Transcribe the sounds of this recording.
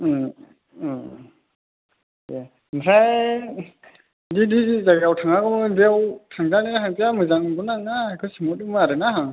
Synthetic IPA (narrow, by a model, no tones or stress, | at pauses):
a | nisaj | didizizaɡiawtʰaŋaɡɯmɯdiawtʰaŋzaninaɦaŋtijamɯzaŋbɔnaŋnaakʰɔsimɔt̚ɯmɯaɾɯnaɦaŋ